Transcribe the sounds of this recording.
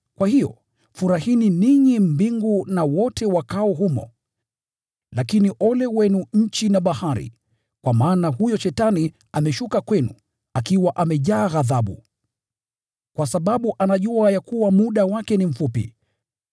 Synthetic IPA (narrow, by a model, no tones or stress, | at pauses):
kwahijɔ̰ | fuɾahininiɲim̩biŋɡunawɔtʰɛwakaɔɦumɔ̰ | lakiniʔɔlɛwɛnuɲ̩t͡ʃinaɓahaɾḭ | kwamaːnahujɔʃɛtani | amɛʃukakwɛnu | akiwaʔamɛʄaːɣaðaɓu | kwasaɓaɓuʔanaʄuajakuwamuɗawakɛnim̩fupḭ